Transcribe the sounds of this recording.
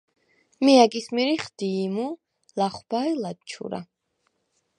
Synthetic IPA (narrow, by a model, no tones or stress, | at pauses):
miakʼismiɾiχd̪̥iːmu | laχwb̥ailad̪t͡ʃʰṵɾa̰